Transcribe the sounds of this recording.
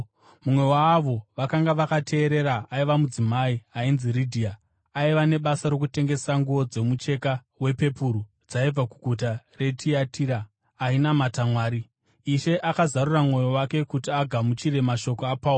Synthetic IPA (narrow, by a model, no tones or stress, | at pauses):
mumwe̞waːʋo̞ʋakaŋɡaʋakatʰe̞ːɾe̞ɾaaiʋamud͡zimaiainziridʱia | aiʋane̞ɓasaɾo̞kute̞ŋɡe̞saŋɡuʋo̞d͡ze̞mut͡ʃe̞ka | we̞pe̞puɾu | d͡zaib͡vakuɡʱutare̞tʰiatʰiːɾaː | inamatamwaːɾi | iʃe̞ʔakazaruramŋo̞jo̞wake̞kutiaɡʱamut͡ʃiɾe̞maʃo̞koapauo